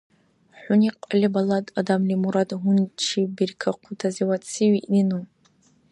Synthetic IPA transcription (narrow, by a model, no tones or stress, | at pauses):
ħʷʊniqʼalʲibaladadamlimuɾadɦʊnt͡ʃʰibirkʰaqʷʰʊtʰaziwat͡sʰiɥiʔninu